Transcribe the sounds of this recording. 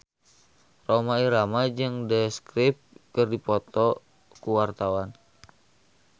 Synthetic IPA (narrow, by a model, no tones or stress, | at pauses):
romaiɾamad͡ʒɨŋdəskɾip̚kɨrdipɔt̪ɔ | kuwart̪awan